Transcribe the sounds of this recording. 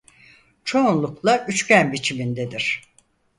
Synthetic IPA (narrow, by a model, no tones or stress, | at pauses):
t͡ʃʰo̞unlˠuklˠaʔyt͡ʃcænbit͡ʃʰimind̪ed̪iɾ̥